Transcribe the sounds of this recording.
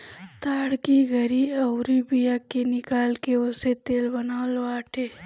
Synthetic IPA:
t̪aːɽkiɡʱɐɾiɐwɾibijakenɪkaːlkeoset̪eːlbɐnaːlwaːʈʰeː

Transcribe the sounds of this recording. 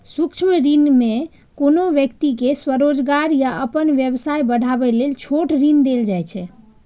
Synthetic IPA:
sukt͡ʃʰməɾinme | konoʋjəkt̪ikeswəɾod͡ʒɡaɾjaʔəpənʋjəbsajbəɽ̤ʱabɛlelt͡ʃʰoʈɾind̪eld͡ʒajt͡ʃʰɛ

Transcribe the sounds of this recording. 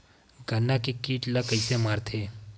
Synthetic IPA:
ɡʱənːakikiːʈləkəɪsemaːɾt̪ʰeː

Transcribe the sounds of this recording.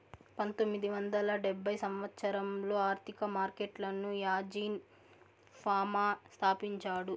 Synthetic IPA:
pɐnt̪omːid̪iʋɐnd̪ɐlɐɖɛbːɐjsɐmʋɐt̪sɐɾɐmlo̞ːaːɾt̪ʰikɐmaːɾkeʈlɐnujaːd͡ʒiːn | pʰaːmaːst̪ʰaːpiɲt͡ʃaːɽu

